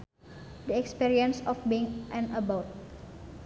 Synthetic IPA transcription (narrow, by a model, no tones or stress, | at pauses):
dəɛkspiɾiənsɔfbiŋʔɛ̃nəbawt̪̚